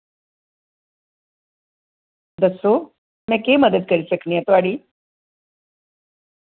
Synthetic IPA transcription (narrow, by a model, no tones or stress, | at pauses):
d̪əso | mɛ̃keməd̪əd̪̚kəɾiɕəknijat̪oaɽiː